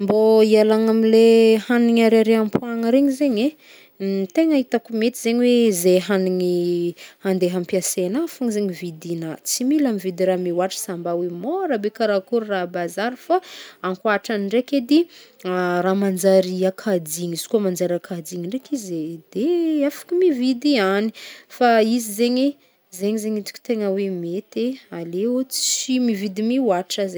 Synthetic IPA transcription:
mboialaŋamilehaniŋaɾaɾeampuaŋəɾeŋizeɲe | t̪eŋaɦit̪akumet̪izeɲiwezeɦaniŋihand̪eɦampiasenafuŋzeɲivid̪inat͡similamivid̪iɾamiwaʈ͡ʂə̥sambawemoɾabekaɾakuɾurabazaɾifaaŋkwaʈ͡ʂaniɳɖ͡ʐeked̪iaramand͡ʒaɾiakʰadiŋiz̥i̥kuamand͡zaɾakʰad͡ziŋiɳɖ͡ʐekized̪̥eafḁkimivid̪ianifaizizeɲi | zeɲizeɲit̪u̥kʲi̥t̪eŋəwemet̪ealeut͡simivid̪imiwaʈ͡ʂaze

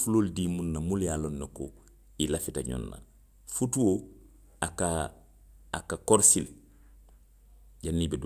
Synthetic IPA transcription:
fuloːldimunːamuljaːlonːoko̰ | ilafitaɲɔ̰nːa̰ | futuwo | aka | akakoɾsil | ɟanːibed

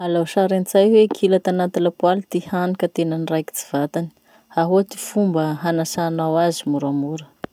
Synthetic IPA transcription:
alawʃaɾant͡sajwekʰilat̪anat̪ilapwalit̪ihanikʲət̪enənirajki̥t͡si̥v̥at̪ani̥ | aɦuat̪i̥fumbəɦanasanawazimuɾamuɾə

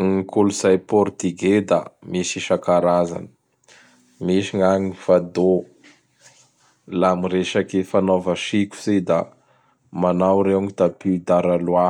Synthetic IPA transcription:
ŋiikuluz̥ajpɔɾt̪iɡed̪a̰miʃiʃakaɾaza̰nə̥ | miʃiŋaŋfad̪o | lamiɾeʃakefanovəʃiku̥zid̪a | manawɾeŋid̪apid̪aɾalwa

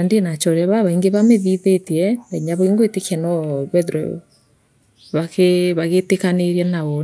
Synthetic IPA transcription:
andenat͡ʃɔɾɛβaβaiŋɡeβameðiðetiɛnaɲaβɔiŋɡoetekɛnɔβɛðɾɔ̰ | βakeβaɣetekaneɾjanaɔ

